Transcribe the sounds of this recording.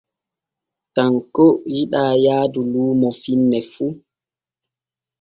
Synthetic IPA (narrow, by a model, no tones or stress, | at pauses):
taŋkojiɗaːjaːduluːmɔfinːɛfu